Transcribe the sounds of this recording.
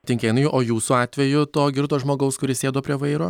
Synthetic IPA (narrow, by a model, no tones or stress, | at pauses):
t̪ʲɪŋʲkʲeːjɪnɐjʊʔoːjuːsuɑːt̪ʲʋʲɛjʊt̪oːɡʲɪɾt̪oːʒmoːɡɐʊskʊɾʲɪsʲeːd̪oːpʲɾʲiɛʋɐɪɾoː